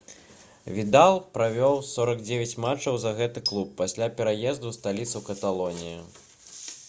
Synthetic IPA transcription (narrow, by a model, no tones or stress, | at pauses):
vʲid̪alˠpɾavʲɔwsɔɾɐɡd͡zʲevʲɐt͡sʲmat͡ʂɐwzɐɣɛt̪ɨklˠupːasʲlʲapʲɛɾajɛzd̪ust̪alʲit̪sɐwkɐt̪alˠɔnʲiju